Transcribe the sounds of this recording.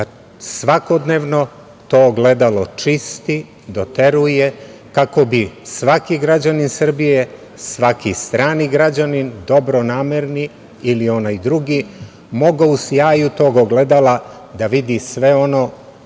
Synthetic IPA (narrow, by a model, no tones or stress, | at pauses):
a | sʋako̞d̪neːʋno̞ | t̪oɡle̞d̪alo̞t͡ʃist̪i | d̪o̞t̪e̞ɾuje̞kako̞bisʋakiɡɾad͡ʑaninsr̩bije̞ | sʋakist̪ɾaːniɡɾad͡ʑanind̪o̞bɾonaːmeɾni | ilio̞najd̪ɾuɡiː | mo̞ɡausjaːjut̪oɡoɡle̞d̪ala | d̪aʋid̪isʋe̞o̞no̞